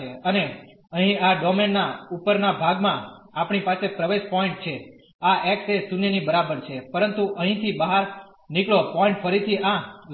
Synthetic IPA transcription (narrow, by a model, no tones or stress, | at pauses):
eəne | əɦĩaɖɔmenːaupəɾnabʱaɡmãapɳipasepɾəʋeʃpɔɪ̃ɳʈ̚t͡ʃʰe | aʔɛksesunjənibəɾabəɾt͡ʃʰepəɾənt̪uʔəɦĩt̪ʰibaɦaɾ | nikɭopɔɪ̃ɳʈfʰəɾit̪ʰiã